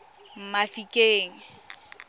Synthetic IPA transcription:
m̩mafikʼeːŋ̩

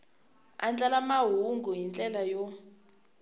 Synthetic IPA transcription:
ant͡ɬʼalamaɦuŋɡʱujint͡ɬʼɛlajɔ

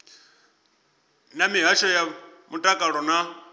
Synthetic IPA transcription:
namiɦaʃɔjamutʼakʼaɺɔna

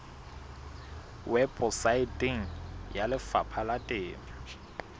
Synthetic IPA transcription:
wɛbɔsaɪtʼɪŋ̩jalɪfapʰalatʼɪːma

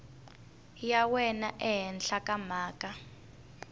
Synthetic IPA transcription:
jawɛnaʔɛɦɛnɬakʼamaːkʼa

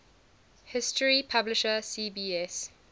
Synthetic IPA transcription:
hɪstəɹipʰablɪʃəsiːbiːɛs

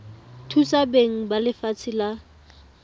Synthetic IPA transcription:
tʰut͡sabeŋ̩balɪfat͡sʰɪla

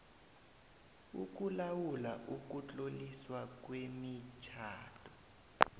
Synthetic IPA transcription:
ṵk̬ulawulaʔuk̬ut͡ɬʼoliswak̬wemit͡ʃʰaːtʰɔ̥

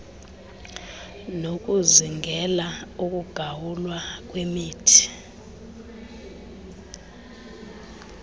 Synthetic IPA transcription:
nok̬ʼuziŋʱɛlauk̬ʼuɡ̥ʱawulwak̬ʼwemiːtʰi̥

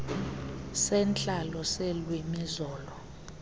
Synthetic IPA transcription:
sɛnt͡ɬʼalɔsɛlwimizɔːlɔ

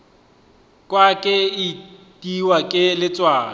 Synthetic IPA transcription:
kʼwakʼɪitʼiwakʼɪlɪt͡sʼwaːn

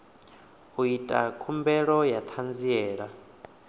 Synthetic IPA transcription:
ɦuitʼa̰kʰumbɛɺɔjat̪ʰand͡ziɛːɺa

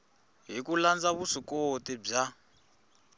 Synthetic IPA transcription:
ɦikuland͡zaβusikotib͡ʐa

